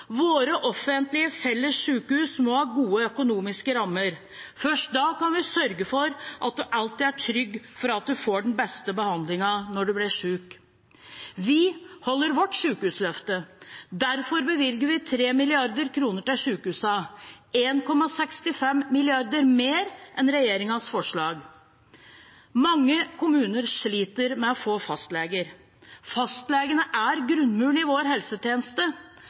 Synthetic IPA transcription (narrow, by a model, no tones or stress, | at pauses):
ʋoːɾəʔɔfənt̪lɪəfɛlːəsʂʉːkəhʉːsmɔhɑːɡuːəœkʊnuːmɪskəɾɑmːəɾ | fœʂʈ̚d̪ɑːkɑnʋɪsœɾɡəfɔɾʔɑt̪̚d̪ɛʔɑlt̪ɪːd̪æʈʰɾʏɡːfɔɾɑt̪̚d̪ʉfoːɖn̩bɛst̪əbəhɑnd̪lɪŋɑnɔɖɛblɪʂʉːk | ʋɪhɔlːəɾʋɔʈːʂʉːkhʉːslœft̪əd̪æɾfɔɾbəʋɪlɡəɾʋɪt̪ʰɾeːmɪlɪɑɾd̪əɾkʰɾuːnəʈɪlʂʉːkhʉːsɑ | eːnkʰɔmːɑsɛkst̪ɪfɛmːɪlɪɑɾd̪əɾmeːɾʔɛnɾɛjeːɾɪŋɑsfɔʂɭɑːɡ | mɑŋːəkʰʊmʉːnəɾʂɭiːt̪əɾmɛɔfoːfɑst̪leːɡəɾ | fɑst̪leːɡənəʔæɾɡɾʉnmʉːlɪʋoːɾɦɛlsət̪jeːnəst̪ə